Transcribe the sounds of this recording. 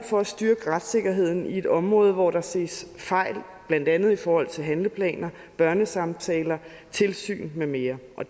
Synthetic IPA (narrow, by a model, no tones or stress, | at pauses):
fɒ̽æsd̥yɐɡ̥əʁad̥se̝ɡ̥ɐɦe̝ð̞̰ˠn̩ie̝d̥ɒ̽mʁɔ̽ːð̞̩ˠʋɒɾ̥ɑ̈se̝̰ːsfɑ̈ɪ̰l | b̥læn̰d̥ænð̞̩ˠifɒːhɒ̽l̰t͡sʰe̝lɦænləpʰlɛ̰ːnɐ | b̥ɶɐnəsɑ̈mt͡sʰɛːlɐ | t͡sʰe̝lsy̰ːnmeme̝ːɐʔɒ̽